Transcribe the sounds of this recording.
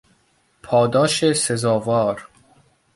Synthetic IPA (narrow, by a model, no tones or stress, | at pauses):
pʰɒːd̪ɒːʃesezɒːvɒːɾ